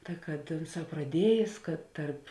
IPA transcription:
kɐ kɐt ˈʊnˌsɑː prɐˈdʲiɛjeːs kɐt ˈtɐrp

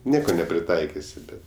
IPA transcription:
ˈnʲiɛkoː nʲɛpʲrʲɪˈtɐɪkʲɪsʲɪ ˈbʲɛt

